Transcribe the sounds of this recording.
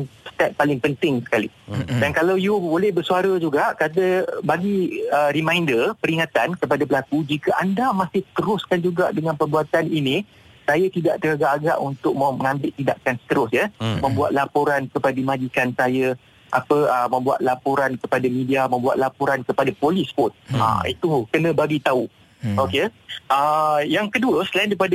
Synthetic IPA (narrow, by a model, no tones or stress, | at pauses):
nst̪ɛt̪̚palɪŋpənt̪ɪŋsə̥kalidankalawjubolɛhbərsuaɾəd͡ʒuɡaʔkat̪̬əbaɡiəɾimãjndərpəɾiŋat̪ankəp̬adapəlakud͡ʒikəʔandamasɪht̪əɾʊskand͡ʒuɡa̰ʔdəŋãnpərbuat̪anini | sajat̪idaʔt̪əɾaɡaʔːɡa̰ʔunt̪ʊk̚maməŋãmbɪʔt̪ːida̰ʔkansə̥t̪əɾʊsjəmə̃mbua̰t̪̚lapoɾankəpadimãd͡ʒikansajə | ʔapəəmə̃mbua̰t̪̚lapoɾankəpadamĩdiamə̃mbua̰t̪̚lapoɾankəpadapolispʊt̪̚a̰ḭt̪ukənə̃baɡit̪au | okeʔəjaŋkəduəsəlaɪndipada